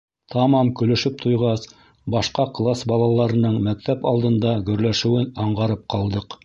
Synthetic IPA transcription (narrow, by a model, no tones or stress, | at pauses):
t̪ʰɑmɑmkɵ̆lɵ̆ʃɘp̚t̪ʰŏjʁɑs | bɑʃqɑqlˠɑsbɑlˠɑlˠɑɾɤ̆nɤɴmæk̚t̪æpɑlˠd̪ɤ̆nd̪ɑɡɵ̆ɾlæʃɘ̆wɘnɑɴʁɑɾɤp̚qɑlˠd̪ɤq